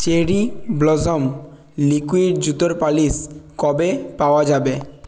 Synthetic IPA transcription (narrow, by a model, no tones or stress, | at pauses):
t͡ʃeɾiblɔzɔm | likuiɾd͡ʒut̪ɔɾpaliskɔbepaoad͡ʒabe